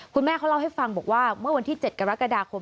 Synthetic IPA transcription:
kʰu˧nmɛː˥˩aː˦˥wla˥˩ha˥˩jfa˧ŋbɔː˨˩k̚waː˥˩mɯ˥˩ɐwa˧nt̪ʰiː˥˩t͡ɕe˨˩t̪̚ka˧ɾa˦˥ka˧daː˧kʰo˧m

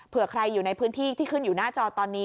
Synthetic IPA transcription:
pʰɯ˨˩ɐkʰɾa˧jːuː˨˩na˧jpʰɯː˦˥nt̪ʰiː˥˩t̪ʰiː˥˩kʰɯ˥˩njuː˨˩naː˥˩t͡ɕɔː˧t̪ɔː˧nːiː˦˥

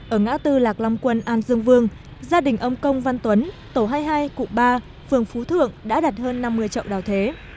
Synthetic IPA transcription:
ʔəː˧˩ŋa̰ː˧˥t̪ɨ˧laː˨˩k̚lɔ˧wŋ͡mkwə˧nʔaː˧nzɨ˧əŋvɨ˧əŋzaː˧ɗï˨˩ŋ̟ʔə˧wŋ͡mkə˧wŋ͡mva˧nt̪wə˨˦n | t̪o˧˩ɦaː˧jɦaː˧jkʊ̰˧˨ŋ͡mɓaː˧ | fɨ˨˩əŋfu˨˦t̪ʰɨ̰˧˨əŋɗa̰ː˧˥ɗaː˨˩t̚həː˧nːa˧mːɨ˧əjt͡ɕḭ˧˨wɗaː˨˩wt̪ʰe˨˦

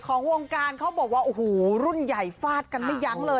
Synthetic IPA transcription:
kʰɔː˩˦ŋwo˧ŋkaː˧nkʰa˦˥wbɔː˨˩k̚waː˥˩ʔu˧˩huː˨˩˦ɾu˥˩nja˨˩jfaː˥˩t̪̚ka˧nma˥˩jːa˦˥ŋlɤː˧

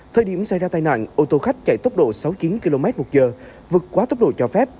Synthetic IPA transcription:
t̪ʰəː˧jɗi˧˩əmsa˧˩jzaː˧t̪a˧jna̰ː˧˨nʔo˧˩t̪o˧xa˦˥jk̟̚t͡ɕa̰˧˩jt̪o˦˥wk͡p̚ɗo̰˧˨sa˨˦wt͡ɕi˨˦nki˧lo˧mɛ˦˥t̚mo˨˩t̚zəː˨˩ | vɨ˨˩ət̚kwaː˨˦t̪o˦˥k͡p̚ɗo̰˧˨t͡ɕɔ˧fɛ˦˥p̚

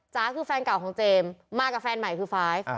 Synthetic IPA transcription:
t͡ɕaː˦˥kʰɯː˧˩fɛː˧nka˨˩wkʰɔː˩˦ŋt͡ɕeː˧mːaː˥˩kːa˧˩fɛː˧nma˨˩jkʰɯː˧faː˦˥j

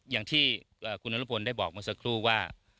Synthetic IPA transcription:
jaː˨˩ŋt̪ʰiː˥˩ | ʔəː˨˩kʰu˧nʔa˧˦lu˦˥˩pʰo˧ndaː˥˩jbɔː˨˩k̚mɯː˧sa˧kʰɾuː˥˩waː˥˩

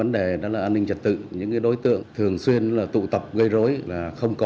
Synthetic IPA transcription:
və˨˦nɗe˨˩ɗɔ̰˨˦laː˨˩ʔːnːï˧ŋt͡ɕə˨˩t̚t̪ɨ̰˧˨ɲɨ̰˧˥ŋkaː˨˦jɗo˨˦jt̪ɨ̰˧˨əŋt̪ʰɨ˨˩əŋswi˧ənlaː˨˩t̪ṵ˧˨t̪ə˨˩p̚ɣə˧jzo˨˦jlaː˨˩xə˧wŋ͡mkɔ˨˦

